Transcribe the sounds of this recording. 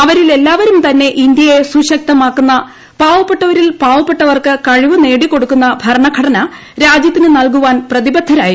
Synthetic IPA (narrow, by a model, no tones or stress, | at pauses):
ɐʋɐɾile̞lːaːʋɐɾumt̪ɐnːe̞ʔind̪jɐje̞suɕɐk̚t̪ɐmaːkːunːɐ | paːʋɐpːeʈːɐʋɐɾilpaːʋɐpːeʈːɐʋɐrkɨkɐɻiʋɨne̞ːɽikːo̞ɽukːunːɐbʱɐɾɳɐɡʰʱɐɽɐnɐ | ɾaːd͡ʑjɐt̪ːinɨnɐlkuʋaːnprɐðibɐd̪ʱɐɾaːji